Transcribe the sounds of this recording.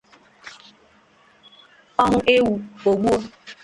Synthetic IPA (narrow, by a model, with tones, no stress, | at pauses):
ɔ˦ŋʊ˨ʔe˦wu˨o˨ɡ͡bu˦o˦